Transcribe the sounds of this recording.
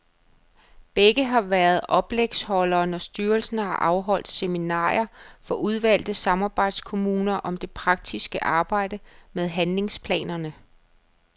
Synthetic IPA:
b̥eɡ̥əɦɑ̈ʋæɐð̞̩ˠʔɒ̽b̥leɡ̥shɒ̽lɐːnɒsd̥yːɐlsən̩hɑ̈ʔɑ̈ʊɦɒ̽l̰d̥seminɑ̰̈ːɐfɒ̽ʔuð̞ˠʋæl̰d̥əsɑ̈mɑ̈ːb̥ɑ̈ɪd̥skʰo̝muːnɐʔɒ̽md̥e̝pʰʁɑ̈ɡ̥̚d̥ʰisɡ̥əʔɑ̈ːb̥ɑ̈ɪ̰d̥əmeðˠɦænle̝ŋspʰlɛ̰ːnɐnə

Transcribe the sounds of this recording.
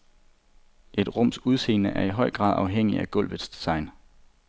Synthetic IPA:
ʔe̝d̥ʁɔ̽m̰suð̞ˠse̝̰ːnəʔæɐiɦɒ̽ɪ̰ɡ̥ʁɑ̰̈ːðˠɑ̈ʊɦeŋ̰iæɡ̥ɔ̽l̰ʋðˠsd̥esɑ̈ɪn

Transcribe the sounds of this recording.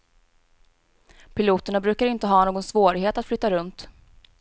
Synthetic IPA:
pʰɪluːt̪əɳabɾʉ̟ːkaɾɪnt̪əɦɑːnoːɡɔnsvoːɾɪɡɦeːt̪at̪flʏt̪ːaɾɵnt̪

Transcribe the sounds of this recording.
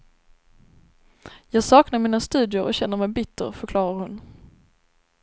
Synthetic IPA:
jɑːɡsɑːknaɾmiːnast̪ʉ̟ːd̪ɪʊɾɔɕɛnːəɾmɛjbɪt̪ʰːə̰ɾfœɾkʰlɑːɾaɾhʊn

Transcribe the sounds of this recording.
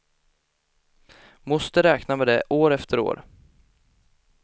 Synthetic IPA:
mɔst̪əɾɛːknamɛd̪ɛʔoːɾɛft̪əɾo̰ːɾ

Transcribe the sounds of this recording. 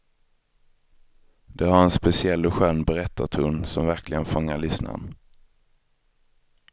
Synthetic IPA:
d̪̥ɛhaɾɛnspɛsɪɛlːʊɧœnːbɛɾɛt̪ʰːat̪ʰuːnsɔmvæɾklɪɡənfɔŋːaɭʏsna̰n

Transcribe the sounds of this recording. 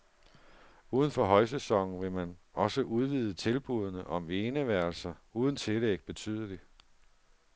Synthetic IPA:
uːðˠən̩fɒ̽ɦɒ̽ɪs̬esɒ̽ŋ̰n̩ʋe̝mænɒ̽səʔuð̞ˠʋiːð̞ˠət͡sʰe̝lb̥uð̞ˠnəʔɒ̽mʋeːnəʋæɐ̰lsɐuːð̞ˠn̩t͡sʰe̝leɡ̥̚b̥e̝t͡sʰy̰ːð̞ˠəli

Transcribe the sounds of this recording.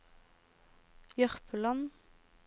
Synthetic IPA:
jœʁpəlɑn

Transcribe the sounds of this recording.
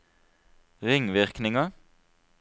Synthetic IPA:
ʁɪŋʋɪʁknɪŋə

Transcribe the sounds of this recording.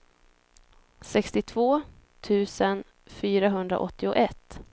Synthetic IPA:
sɛkst̪ɪt̪ʰv̥oː | t̪ʰʉ̟ːsən | fyːɾaɦɵnd̪ɾa̰ʔɔt̪ːɪʊʔɛt̪ː

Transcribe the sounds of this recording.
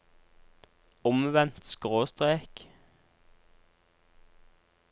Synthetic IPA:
ʊmʋɛnt̪skʁoːst̪ʁeːk

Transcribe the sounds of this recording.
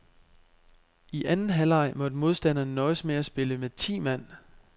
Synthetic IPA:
iʔænn̩ɦælɑ̈ɪ̰mɒ̽d̥mo̝ð̞ˠsd̥æn̰ɐnnɒ̽ɪsmeæsb̥e̝ləmet͡sʰḭːmæn̰

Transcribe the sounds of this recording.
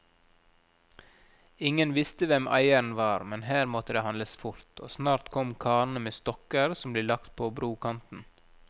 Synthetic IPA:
ɪŋənʋɪst̪əʋɛmʔæ̰ɪən̩ʋɑːɾmɛnhæːɾmɔt̪əd̪eːhɑnləsfʊɾt̪ʰo̰ːsnɑːɾt̪kʰɔmkʰɑːnəmeːst̪ɔkəɾsɔmbleːlɑkt̪̚pʰoːbɾuːkʰɑnt̪n̩

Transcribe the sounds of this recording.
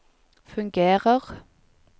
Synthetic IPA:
fʉŋɡeːʁəʁ

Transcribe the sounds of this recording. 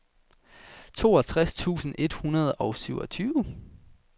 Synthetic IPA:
t͡sʰo̝ːɒ̽t͡sʰʁast͡sʰṵːsn̩e̝d̥hunɐð̞ˠɒ̽ʊsyʊɒ̽t͡sʰyːʊ

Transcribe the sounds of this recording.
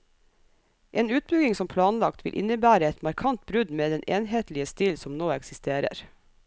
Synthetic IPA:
ʔeːnʉːt̪̚bʏɡɪŋsɔmpʰlɑːnlɑkt̪ʰʋɪ̰lʔɪ̰nəbæːɾəɛt̪mɑɾkʰɑnt̪̚bɾʉd̪meːd̪ɛnʔeːnheːt̪lɪəst̪ɪlsɔmnoːɛksɪst̪eːɾə̰ɾ

